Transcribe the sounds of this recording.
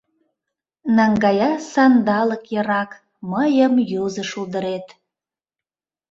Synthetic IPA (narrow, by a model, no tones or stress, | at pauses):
nɑŋɡɑjɑsɑnd̪ɑləkjɤɾɑk | məjəmjuzəʃulˠd̪əɾet̪